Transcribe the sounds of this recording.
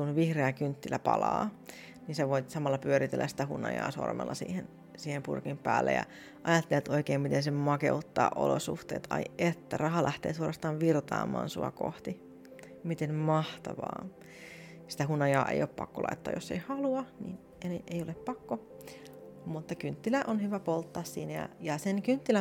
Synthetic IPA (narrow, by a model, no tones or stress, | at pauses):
kunʋihreækynt̪ːilæpɑ̰lɑː | ninseʋoit̪sɑmɑlːɑpyøɾit̪elːæsi̥t̪æhunːɑ̰jɑ̰ːso̰rmḛlːɑsḭːhen | siːhempṵrkimpæːlːḛjɑ̰ | ʔɑjɑt̪ːelæt̪oikeːmmit̪ensemɑkeut̪ːɑːʔo̰losuht̪eːt̪ʰɑ̰iet̪ːærɑhɑlʔæht̪eːsuorɑst̪ɑːʋʋirt̪ɑːmɑːnsuɑko̰ht̪i | mit̪enmɑht̪ɑʋɑ̰ː | si̥t̪æhunːɑjɑːʔḛjoppɑ̰kːolʔɑ̰it̪ːɑ̰ːjoseihɑluɑnḭn | eneʔeijoleppɑkːo | mut̪ːɑkynt̪ːilæʔonhyʋæpolt̪ːɑːssiːnæjɑ̰jɑsenkynt̪ːilæ